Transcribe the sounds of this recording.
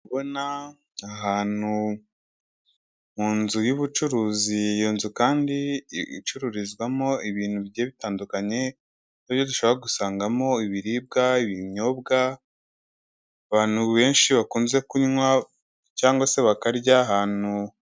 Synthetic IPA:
βo̞na | aɦaːn̥u | muːnzujuβut͡ʃuɾuːzijoːnzukaːndiḭt͡ʃuɾuɾizɡwamo̞iβiːn̥huβɟeβitaːndukaɲe̞ | niβjo̞duʃoβɾaɡusaːŋɡamo̞iβiɾiːb̚ɡaiβiɲo̞bɡa | aβaːn̥huβe̞ːnʃiβakuːnze̞kuɲwa | caːŋɡwase̞βakaɾɟaːɦaːn̥u

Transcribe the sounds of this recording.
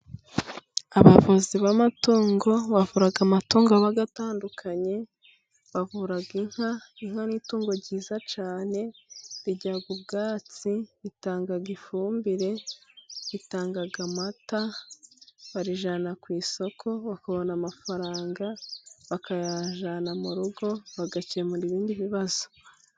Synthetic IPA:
aβavoziβamatuːŋɡo̞βavuɾaɡamatuːŋɡoaβaɡataːndukʰaɲe̞ | βavuɾaɡiŋ̥haiŋ̥haniːtuːŋɡo̞ɾɟiːzat͡ʃaːne̞ɾiɟaɡubɡaːt͡siβitaːŋɡaɡifuːmbiɾe̞ | βitaːŋɡaɡamata | βaɾiʒanakwiːso̞kʰo̞βakaβo̞namafaɾaːŋɡaβakajaʒanamuɾuɡo̞βaɡaciemuɾiβiːndiβiβazo̥

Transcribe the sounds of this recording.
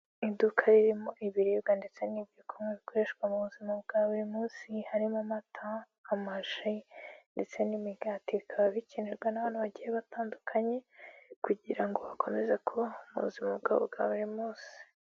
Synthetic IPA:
idukʰaɾiɾimo̞ʔiβiɾiːbɡande̞t͡se̞nibɟokʰomŋeβiko̞ɾe̞ʃkwamuβuzimabɡ̥aːβuɾimuːnsihaɾimamatʰaː | maʒinde̞t͡se̞nimiɡatikʰaβaβicineɾɡwenaβaːnhuβaɟijeβataːndukʰaɲe̞kuɟiɾaŋɡo̞βakʰo̞me̞zekʰo̞umṵβṵzimabɡa̰βṵβɡa̰ːβuɾimuːnsi̥

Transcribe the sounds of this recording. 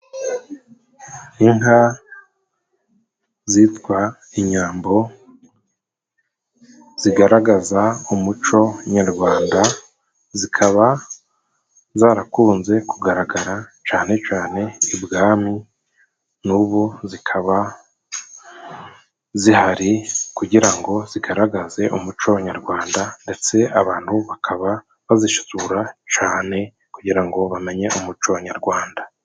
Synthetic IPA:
iŋɦa | zitɡwa | iɲaːmbo̞ | z̥iɡaɾaɡazaumut͡ʃo̞ɲaɾɡwaːnda | zikʰaβa | zaːɾakuːnze̞kuɡaɾaɡaɾat͡ʃaːne̞t͡ʃaːne̞ibɡaːmi | nuβuzikʰaβa | zihaɾikuɟiɾaŋɡo̞ziɡaɾaɡaze̞ʔumut͡ʃaβaɲaɾɡwaːndande̞t͡se̞aβaːn̥huβakʰaβa | βaziʃu̥zuɾat͡ʃaːne̞ | kuɟiɾaŋɡo̞βame̞ɲe̞ʔumut͡ʃoβaɲaɾɡwaːnda

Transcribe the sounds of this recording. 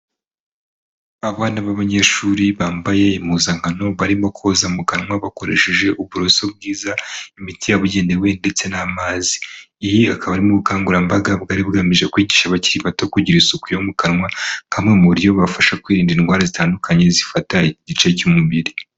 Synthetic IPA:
aβaːnaβaβaɲe̞ʃuɾiβaːmbaje̞imuzaŋɡano̞βaɾimakʰo̞zamukaɾŋwaβako̞ɾe̞ʃe̞ʒe̞ʔuβuɾo̞so̞b̚ɡiːzaimitijaβuɟe̞ːndewe̞nde̞t͡se̞namaːziː | jiakʰaβaːɾimuβukaːŋɡuɾambaɡabɡaːɾibɡamiʒe̞kwiːɟiːʃaβaciɾiβatokuɟiɾisukujomukaɾŋwahamŋe̞muβɾjo̞βafaʃakwiːɾiːndinɡwaːɾazitaːndukʰaɲe̞zifataiiɟit͡ʃecumubiɾi

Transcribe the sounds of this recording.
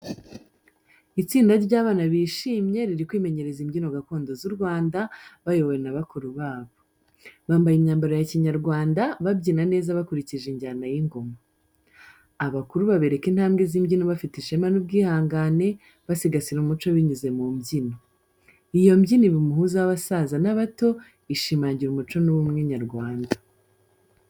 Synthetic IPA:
it͡siːndaɾɟaːβaːnaβiːʃiːmje̞ɾiɾikwiːme̞ɲe̞ɾe̞zimɟino̞ɡako̞ːndo̞zuɾɡwaːndaβajo̞βojenaβakuɾuβaːβo | βaːmbajimɲaːmbaɾojaciɲaɾɡwaːndaβabɟiːnane̞ːzaβakuɾiciʒeɲɟaːnajiŋɡo̞ma | aβakuɾuβaβeɾe̞kinhaːmɡeziːmɟinoβafitiʃemanubɡiːhaːŋɡane̞ | βasiɡasiɾumut͡ʃoβiɲize̞mumɟino | ijo̞mɟiniβimuhuzaaβasazanaβato̞ | iʃimaːɲɟiɾumut͡ʃo̞nuβumŋeɲaɾɡwaːnda

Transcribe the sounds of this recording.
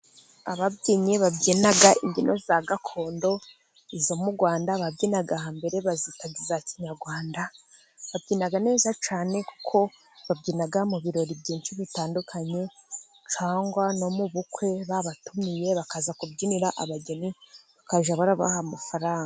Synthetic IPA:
aβabɟiɲeβabɟinaɡaʔiɲɟinʔo̞̰zaɡakʰo̞ːndo̞ | izo̞muɾɡwaːndaβabɟinaɡahambe̞ɾe̞βazitaɡizaciɲaɾɡwaːnda | βab̚ɟiːnaɡane̞ːzat͡ʃaːne̞ku̥kʰo̞ | βabɟinaɡamuβiɾo̞ɾibɟiːnt͡ʃiβitaːndukʰaɲe̞ | t͡ʃaːŋɡwano̞muβukwe̞βaβatumije̞βakazakubɟiniɾaʔaβaɟeniβakaʒaβaɾaβa̰hamafaɾaːŋɡa

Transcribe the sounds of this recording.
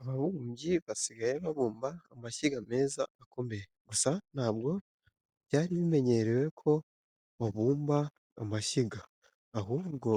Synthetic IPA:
aβaβuumɟiβasiɡaje̞βaβuːmbaːmaʃiɡame̞ːzaːkʰo̞me̞jeɡ̥usanaːbɡo̞ | bɟaːɾiβime̞ɲe̞ɾewe̞kʰo̞ | βaβuːmbaː | maʃiɡaː | ɦuːβɡo̞

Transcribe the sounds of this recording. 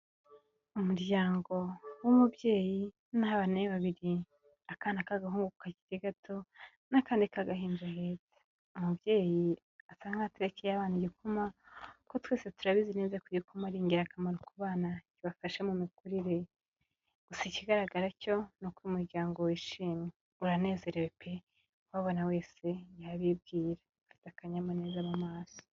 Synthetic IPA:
umuɾɟaːŋɡo̞wumubje̞ːji | naaβaneβaβiɾi | akaːnakaɡaɦuːŋɡukkaɟi̥teɡatʰo̞ | nakaːndikaɡaɦiːnd͡ʒaheːze̥ | umubjeːji | asaːŋɡŋateɾecijaβaːniɟikʰumako̞twe̞ːsetuɾaβizineːzekuɟikumaɾiːŋɡeɾakamaɾukuβaːnakiβafaʃe̞mumikuɾiɾe | ɡ̥usiciɡaɾaɡaɾaco̞nukwimuɾɟaːŋɡo̞wiʃiːmi | uɾane̞ːze̞ɾewepʰe | waβonawe̞ːse̞jaβib̚ɡiːɾḁ | fi̥takaɲamone̞ːzaβamaːso̥

